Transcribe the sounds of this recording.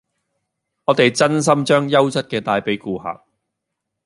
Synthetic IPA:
ŋɔː˨˧t̪e˨jt͡sɐ˥ns̬ɐ˥mt͡ʃœː˥ŋjɐ˥wt͡sɐ˥t̚kɛː˧t̪aː˨jpe˨˥jkuː˧ha̰ː˨k̚

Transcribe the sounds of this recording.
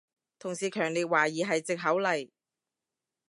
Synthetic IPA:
t̪ʰʊ˨˩ŋsiː˨kʰœː˨˩ŋliː˨t̚waː˨˩jiː˨ɦɐ˨jt͡sɪ˨k̚ɦɐ˨˥wlɐ˨˩j

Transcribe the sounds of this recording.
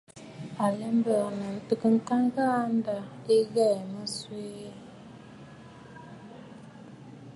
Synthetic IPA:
a˨lɛ˦mbə˨nə˨tə˨kə˦˨ŋ̩˦ka˦ŋ˦ɡa˦a˦nda˨e˦ɣɛ˦˨mə˦swe˦

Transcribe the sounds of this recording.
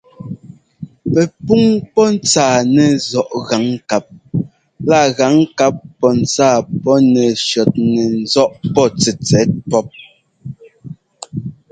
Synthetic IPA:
pɛ˨pu˦ŋpɔ˦n̩˦t͡saː˨nɛ˨zɔ˨ʔɣa˨˦ŋka˨p̚ | la˦˨ɣa˨˦ŋ˦ka˦pːɔ˦n̩˨t͡saː˦˨pɔ˦nɛ˨ʃjɔ˨t̚nɛ˨n˦zɔ˦ʔpɔ˦˨t͡sɛ˨t͡sɛ˨˦t̚pɔ˦p̚

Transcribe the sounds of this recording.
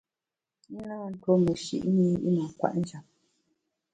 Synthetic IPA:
ni˦naː˦˨n̩˨˦twɔ˦mə˨ʃḭ˦ʔni˦ḭ˦na˨kwa̰˨ʔn̩˦d͡ʒa˨p̚

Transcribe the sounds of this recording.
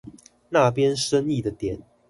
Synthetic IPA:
na˥˨pjɛ˦nʂə˦ni˥˨d̪ə˩t̪jɛ˨˩˦n

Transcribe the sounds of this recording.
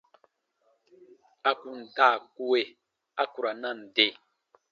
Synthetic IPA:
a˨ku˨n̩˨ta˦˨ku˦we˨ | a˦ku˨ɾa˨na˦˨n̩˨de˨

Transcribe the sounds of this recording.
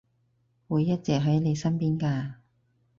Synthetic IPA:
wuː˨˧jːɐ˥t̚t͡sɛː˨k̚ɦɐ˨˥jle˨˧jsɐ˥npiː˥nkaː˧

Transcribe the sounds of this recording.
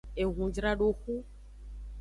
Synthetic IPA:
e˨ɣũ˨d͡ʒɾa˦ɖo˦xu˦

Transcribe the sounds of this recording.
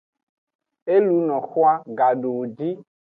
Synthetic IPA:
e˦lu˨˦nɔ̃˨xo˦a˦ɡa˨ɖo˨d͡ʒi˦

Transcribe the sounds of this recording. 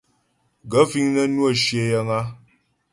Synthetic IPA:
ɡə˨˦fi˦ŋnə˦nwo˦˨ʃje˨jə˦ŋa˦

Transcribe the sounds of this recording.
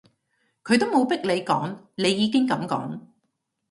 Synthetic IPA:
kʰɵ˨˧ɥt̪o˥wmo˨˧wpɪ˥k̚le˨˧jkɔ̰ː˨˥ŋ | ne˨˧jːiː˨˧kɪ˥ŋkɐ˨˥mkɔ̰ː˨˥ŋ

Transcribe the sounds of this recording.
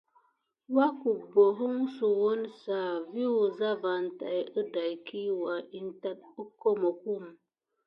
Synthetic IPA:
wa˦ku˨bo˨ɦu˦ŋ˦su˨wo˦nsa˨vi˦wu˨za˦va˨n˨ta̰˨jə˦da˨jkʰi˦wa˨ʔi˦n˦ta˦t̚ə˦ko˦mə˨ku˦˨m˨

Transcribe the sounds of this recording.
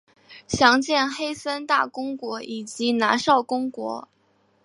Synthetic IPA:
ɕjɑ˧˥ŋt͡ɕjɛ˥˩nxe˥ɪsə˥nt̪a˥˩kʊ˥ŋkwɔ˧˥i˨˩t͡ɕi˧˥na˧˥ʂɑ˥˩ʊkʊ˥ŋkwɔ̰˧˥

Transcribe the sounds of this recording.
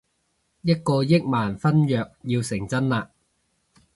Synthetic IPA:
jɐ˥t̚kɔː˧jɪ˥k̚maː˨˩nfɐ˥njœː˨k̚jiː˧wsɪ˨˩ŋt͡sɐ˥nlaː˧

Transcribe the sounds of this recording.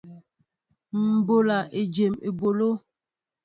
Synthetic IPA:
m̩˨bo˨la˨ʔe˨d͡ʒe˨me˨bo˨lo˦

